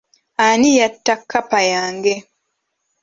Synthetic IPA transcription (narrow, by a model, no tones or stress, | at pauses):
anijatːakʰːapajaːŋɡe